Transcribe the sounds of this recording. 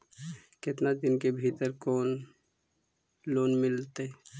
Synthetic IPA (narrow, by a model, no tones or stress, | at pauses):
kɪt̪nad̪ɪnkebʱit̪əɾkoːn | loːnmɪlt̪e